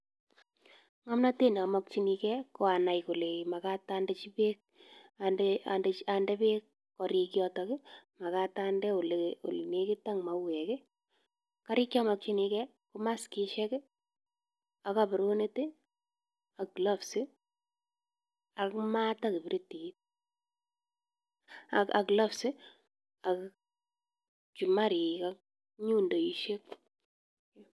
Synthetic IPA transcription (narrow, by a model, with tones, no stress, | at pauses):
ŋa˦mna˦te˦n˨a˨mɔk̚t͡ʃi˦ni˧kɛ˦ko˦a˨na˨jku˨le˨ma˨ka˦tande˦t͡ʃi˦pe˦ | adea̰˨nde˨t͡ʃa˨ndɛ˦be˦k | kɔ˨ɾi˧kjɔ˦tɔkɪ˦ma˨ka˦ta˦ndɛ˦o˨lo̰˨lne˨kɪ˦ta˦ŋma˨wɛ˨ke˦ | ka˦ɾi˦kja˦mɔ˨k̚t͡ʃi˦nikɛ˦ | ku˦ma˦ski˦ʃɛ˦k | a˨ka˨bɪ˨ɾo˦ne˦ti˦ | a˨kla˦fsɪ˦ | a˨kma˦ta˦kɪ˨bɪ˦ɾi˦ti˨˦t̚ | a˨ka̰˨kla˦fsɪ˦ | a˨k | t͡ʃi˨ma˦ɾi˨kak | ɲu˦ndo˨i˨ʃe˦k